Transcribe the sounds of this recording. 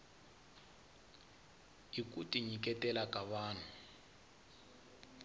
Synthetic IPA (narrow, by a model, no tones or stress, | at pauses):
ikʼutʼiɲikʼɛtɛlakʼaβaːn̤u